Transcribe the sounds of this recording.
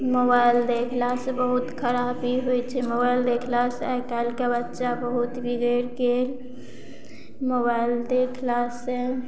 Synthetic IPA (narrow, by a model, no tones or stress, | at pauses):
mobaild̪ekʰlasẽbəɦut̪kʰəɾabiɦojt͡ʃʰɛmobaild̪ekʰlaseakalkebətːʃabəɦut̪bʱiɡəɾkel | mobaɪld̪ekʰlasẽ